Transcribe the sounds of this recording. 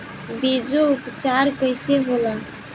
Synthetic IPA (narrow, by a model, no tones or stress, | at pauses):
bed͡ʒoʊpt͡ʃaːɾkəɪseɦola